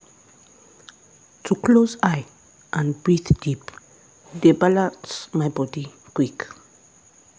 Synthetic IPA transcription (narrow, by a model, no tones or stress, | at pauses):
tʰukʰlozaj | ʔãnbɹiθdip | debalãnsmajbɔdi | kwik